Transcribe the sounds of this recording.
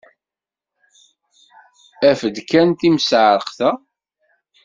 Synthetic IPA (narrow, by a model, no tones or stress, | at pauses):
æfəd̪kænt̪imsʕɾˤəqθæ